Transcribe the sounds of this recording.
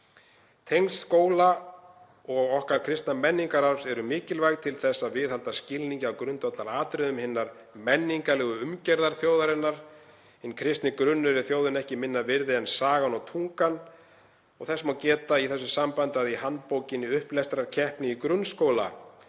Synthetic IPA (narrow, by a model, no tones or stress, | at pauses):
t̪ʰejŋskoːwla | ɔɣɔhkaɾ̥kʰɾɪst̪namɛnːiŋkaɾaɾfsɛɾʏmɪːcɪlvajɣt̪ʰɪlθɛsːaðvɪðhalt̪ascɪlniɲcɪawkɾʏnt̪ɔt̪laɾaːt̪ɾɪðʏmhɪnːaɾ̥ | mɛnːiŋkalɛːɣʏʏmcɛɾðaɾ̥θjoːwðaɾɪnːaɾ̥ | ɛnkʰɾɪst̪nɪkɾʏnːʏɾɪθjoːwðɪnɛhcɪmɪnːavɪɾðɪɛnsaːɣanɔwt̪ʰuŋkan | ɔɣθɛsmawcɛːt̪aiθɛsːʏsampant̪aðihant̪powcɪniʏhplɛst̪ɾaɾ̥cʰɛhpnɪikɾʏnːskoːwla̰